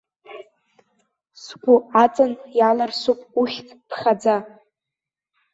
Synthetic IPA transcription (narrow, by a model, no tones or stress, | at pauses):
sɡʷʊat͡sʼɨnjalarsupʼuχʲtʰʼpʰχad͡za